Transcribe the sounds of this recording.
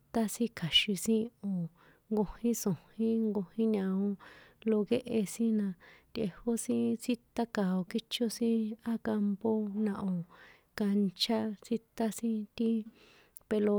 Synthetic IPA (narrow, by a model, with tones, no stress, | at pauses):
t̪a˦sĩ˦kʰa˨ʃi˧sĩ˦o˨ | ŋɡo˧hĩ˦sõ˨hĩ˦ŋɡo˧hĩ˦ɲã˧õ˧˦lo˧ɣe˦ʔe˧sĩ˦nã˧t̪e˧ho˦sĩ˦si˦t̪a˦ka˨o˨ki˦t͡ʃo˦sĩ˦a˦ka˧mpo˦nã˧ʔo˨ | ka˧nt͡ʃa˦si˦t̪a˦sĩ˦t̪i˦ | pe˧lo˧